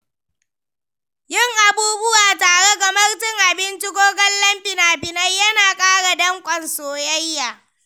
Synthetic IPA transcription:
jɪ˦˨ŋʔa˨buː˦bʊ˦waː˨taː˨ɽe˦ɡa˨mɐ˦rtɪ˦˨ŋʔa˨bɪ˦nt͡ʃɪ˦ɡʷoː˦ɡɐ˦llɐ˦mɸɪ˨naː˨bɪ˨nɐ˦jjɐ˦naː˨kʼaː˦ɽa˨dɐ˦ŋkʷʼɐ˨nsoː˨jɐ˦jːaː˨

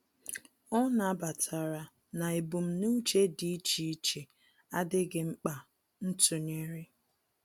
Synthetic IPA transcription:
ɔ˦na˨a˦ba˨tʰa˨ɾa˨ | na˨e˨bu˨m̩˦nu˦t͡ʃe˦di˦t͡ʃi˨˦i˦t͡ʃe˨ | a˦dɪ˦ɡɪ˦ŋ͡m̩˦k͡pa˨ | n̩˦tu˨ɲe˦ɾɪ˦

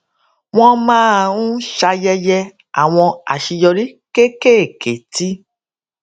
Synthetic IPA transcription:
w̃ɔ̃˧mãː˦˨ũ˦ʃa˧jɛ˧jɛ˧ | a̰˨w̃ɔ̃˧a̰˨ʃi˧jɔ˧ɾi˦ke˦ke˦˨ke˨ti˦

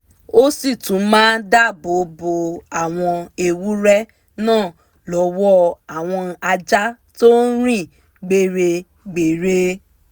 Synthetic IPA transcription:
o˦si˦˨tũ˨˦mãː˦da˦˨bo˨˦bo˧a˦˨w̃ɔ̃˧e˧wu˦ɾɛ˦ | nãː˦˨ | lɔ˨˦wɔ˦a˨w̃ɔ̃˧a˧d͡ʒa˦ | to˦ɾ̃ĩ˦˨ | ɡ͡be˦˨ɾe˧ | ɡ͡be˨ɾe˧˦

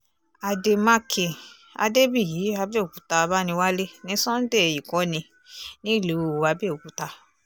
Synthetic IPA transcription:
a˨de˨ma˧kʰe˨ | a̰˧de˦bi˦˨jiː˨˦a˧be˦˨o˨ku˨ta˧ba˦nĩ˧wa˦le˦nĩ˧˦sɔ̃˦n̩˦de˦˨ji˨kɔ˨˦nĩ˧ | nĩ˦˨lu˨˦˨a˨˧˦be˦˨o˨ku˨˦ta˧

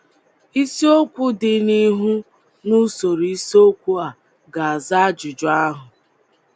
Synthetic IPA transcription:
i˦si˦o˦kʷʊ˦dɪ˨ni˦ɦu˦ | nu˦so˨ɾi˨i˦so˦kʷu˦a˨ | ɡa˨a˨za˦d͡ʒʊ˨d͡ʒɔ˨a˦ɦʊ˨

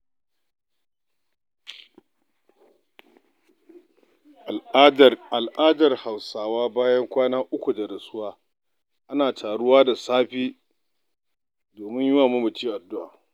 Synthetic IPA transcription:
ʔ | a˨lʔaː˦dɐ˨rha˨wsaː˨waː˦baː˦jɐ˦ŋkʷaː˦naː˦ʔʊ˦kʷu˨da˨ɾɐ˨sʊ˦waː˦ | ʔa˦naː˨tʰaː˨ɽʊ˦waː˦da˨saː˦ɸiː˦ | doː˨mɪ˦ɲjʊ˦waː˨mʊ˦mʊ˨t͡ʃiː˦ʔa˨dːʊ˦ʔaː˨

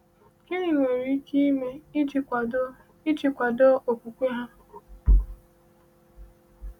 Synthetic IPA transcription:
kɪ˦ɾi˨ŋʷe˨ɾi˨˦ki˦i˦me˦i˦t͡ʃi˨kʷa˨d | ɪ˦t͡ʃi˨kʷa˨do˦ʔo˨kʷu˨kʷe˦ɦa˦

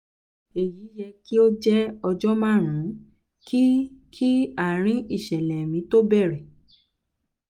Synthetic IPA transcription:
e˨ji˨˦jɛ˧ki˦o˦d͡ʒɛ˦ɔ˧d͡ʒɔ˦mãː˦˨ɾ̃ũ˨˦ | kʰi˦kʰi˦a˦˨ɾ̃ĩ˨˦i˦˨ʃɛ˨lɛ˨mĩ˨˧˦to˦bɛ˦˨ɾɛ˨

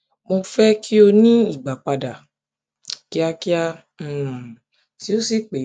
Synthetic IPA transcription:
mo˧fɛ˦kʰi˦o˧nĩ˦i˨ɡ͡ba˨k͡pa˧da˨ | ki˦a˧ki˦ã˧˦˨ | ti˨˦o˦si˦k͡pe˨˦

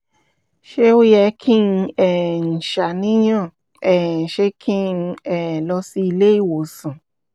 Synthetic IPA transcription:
ʃe˦o˦jɛ˧kʰĩ˦n̩˧ɛ˨n̩˨ʃa˨nĩ˦jã˦˨ | ɛ˨n̩˨ʃe˦kʰĩ˦n̩˧ɛ˨lɔ˧si˦i˧le˦i˦˨wo˨sã˨

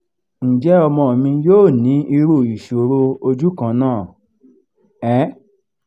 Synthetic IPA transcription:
n̩˨d͡ʒɛ˨˦ɔ˧mɔ̃˧o˨mĩ˧joː˦˨nĩ˨˦i˧ɾu˦˨i˨ʃo˨ɾo˧o˧d͡ʒu˦kã˧˦nãː˦˨ | ɛ˨˦

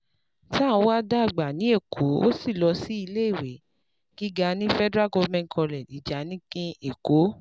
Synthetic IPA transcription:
ta˦˨˦wa˦da˦˨ɡ͡ba˨nĩ˨˦e˦˨kʰo˨˦o˦si˦˨lɔ˧si˦i˧le˦i˦˨we˨˦ | ɡ̥i˦ɡa˧nĩ˦fɛ˦dɾa˦˨ɡo˧˦mɛ̃˧n˨kʰɔ̃˧lɛ˨di˨d͡ʒa˨˦nĩ˦kĩ˦e˨ko˨˦

